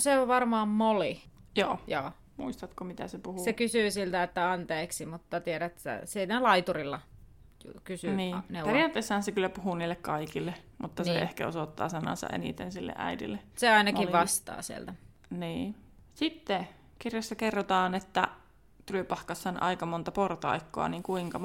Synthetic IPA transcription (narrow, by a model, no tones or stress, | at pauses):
seoʋʋɑrmɑːmmolijo̰ːjoː | muist̪ɑt̪komit̪æ̰sepuhusekysyːsilt̪æet̪ːæɑnt̪eːksimut̪ːɑt̪ieɾæt̪sæ̰sinælɑit̪urilːɑ | jukysyniːneerijɑːt̪ːˑeːˑsːɑhɑnsekylːæpuhuniːlːekkɑikilːe | mʔut̪ːɑseehkæosot̪ːɑ̰ːsɑnɑ̰sɑ̰ʔḛnḭt̪ḛnsilːḛʔæ̰idḭlːeseɑinɑkilʋɑst̪ɑ̰ːsiḛlt̪æ | niː | sit̪ːe | kirjɑsːɑkerːot̪ɑːnet̪ːæ | t̪yløpɑhkɑsːɑnʔɑ̰ikɑmont̪ɑport̪ɑ̰ikːo̰ɑ̰niːŋkuiŋkɑ